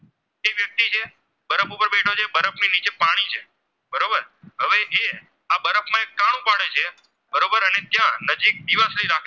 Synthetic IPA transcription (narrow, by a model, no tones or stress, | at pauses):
eʋjək̚t̪it͡ʃʰe | bəɾəpupəɾbeʈʰot͡ʃʰebəɾəpninit͡ʃepaɽ̃it͡ʃʰe | bəɾobəɾɦəʋeʔe | abəɾəpmãekːaɽ̃ũpaɽ̃et͡ʃʰe | bəɾobəɾənet̪jãnəd͡ʒik̚d̪iʋəsliiɾakʰe